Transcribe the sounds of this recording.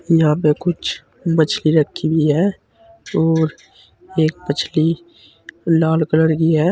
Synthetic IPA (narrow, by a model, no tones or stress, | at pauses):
jɐɦãpekʊt͡ʃʰ | mət͡ʃʰliɾəkʰːibʱiɦɛː | ɔːɾ | eːk̚pət͡ʃʰli | laːlkələɾɡiɦɛː